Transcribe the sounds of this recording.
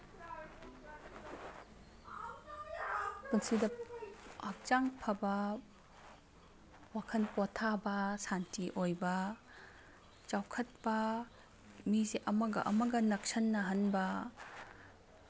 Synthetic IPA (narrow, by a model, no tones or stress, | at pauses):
punsidɐ | ak̚t͡ʃaŋpʰɐbɐ | wakʰɐnpotʰabɐsantiʔojbɐ | t͡ʃawkʰɐt̚pɐ | mizeʔɐmɐɡɐ̰ʔɐ̰mɐɡɐnɐk̚sɐnːɐɦɐnbɐ